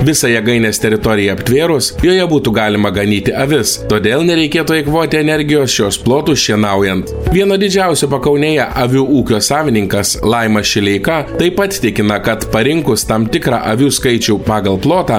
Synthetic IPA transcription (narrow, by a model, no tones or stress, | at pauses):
ʋʲɪsɐjɛɡɐɪnʲeːsʲt̪ʲɛɾʲɪt̪ɔɾʲɪjɛɐpʲt̪ʲʋʲeːɾʊsjoːjɛbuːt̪uːɡɑːlʲɪmɐɡɐnʲiːt̪ʲɪʔɐʋʲɪst̪oːd̪ʲeːlˠnʲɛɾʲɛɪkʲeːt̪uɐɪkʋoːt̪ʲɪɛnʲɛɾʲɡʲɪjoːsʃʲoːsplˠoːt̪uːʃʲiɛnɐʊjɛnt̪ | ʋʲiɛnɐd̪ʲɪd͡ʒʲɛˑʊsʲupɐkɐʊnʲeːjɛʔɐʋʲuːʔuːkʲoːsɑːʋʲɪnʲɪŋkɐslˠɐɪmɐʃʲɪlʲɛɪkɑt̪ɐɪpɐt̪ʲt̪ʲɪkʲɪnɐkɐt̪pɐɾʲɪŋkʊst̪ɐmt̪ʲɪkɾɑ̰ːʔɐʋʲuːskɐɪt͡ʃʲuːpɑːɡɐlˠplˠoːt̪ɑː